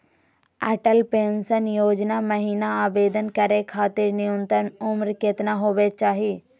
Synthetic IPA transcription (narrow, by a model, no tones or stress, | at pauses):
ɛːʈəlpẽːnsənjoːd͡ʒnaməɦiːnaaːbeːd̪ənkɐɾekʰaːt̪ɪɾnɪjənt̪ɾənʊmɾket̪naɦoːʋet͡ʃaːɦi